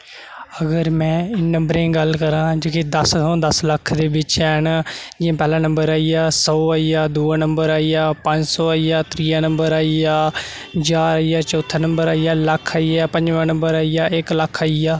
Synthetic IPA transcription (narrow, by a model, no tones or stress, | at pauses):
əɡəɾmɛ̃ːɪnə̃mbɾẽːɡəlkəɾãːd͡ʒeːked̪əssɔ̃ːd̪əsləkʰd̪eːbɪt͡ʃɛːnad͡ʒɪãːpɛːlãːnə̃mbəɾaːijaːsɔːaːijaːd̪uːaːnəmbəɾaːijaːpə̃ɲd͡ʒsɔːaijaːt̪ɾiːaːnə̃mbəɾaːiaː | d͡ʒaːɾaːijaːt͡ʃɔːt̪ʰːaːnəmbəɾaːijaːləkʰːaːiːaːpə̃ɲd͡ʒʋãːnə̃mbəɾaːijaːʔɪkləkʰːaːiːaː